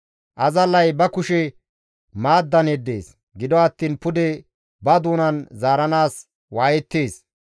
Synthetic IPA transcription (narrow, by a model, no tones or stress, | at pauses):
ʔɐzɐlːɐjbɐkʊʃɛ | maːd̪ːɐnɛd̪ːe̞̰ːs | ɡɪd̪ɔɐt̪ːiːnpʊd̪ɛ | bɐd̪uːnɐnzaːɾɐnaːs | waːjɛt̪ːeːs